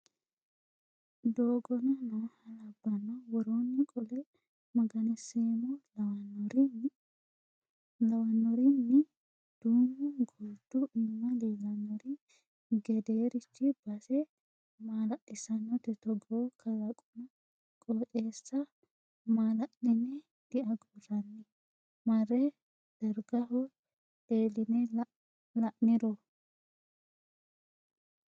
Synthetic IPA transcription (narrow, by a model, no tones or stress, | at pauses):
d̪oːɡɔnɐnɐhɐlɐbːɐnːɐwɔɾoːnːɪkʼɔlɛ | mɐɡɐnɛseːmɔlɐwɐnːɔɾin | lɐwɐnːɔɾɪnːɪ | d̪̥uːmːʊɡuːt̪ːuɪnnɐliɡɐnːɔɾi | ɡɛd̪eːɾɪt͡ʃːɪbɐsɛ | maːlɐʔɪsɐnːɔt̪ɛt̪ɔɡokʰɐlɐkʼʊmɐ | kʼoːt͡ʃʼeːsːɐ | maːlɐʔnɪnɛ | d̪̥ɪʔɐɡoɾɐnːɪ | mɐɾɛ | d̪̥ɐɾɡɐɦɔ | eːlɪnɛ | lɐʔnɪɾɔ